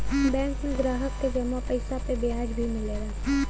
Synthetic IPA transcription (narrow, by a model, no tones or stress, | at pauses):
bɛ̃ːŋkmẽɡɾaːɦəkːed͡ʒɐmapəɪsapebɪaːd͡ʒbʱimɪleɾa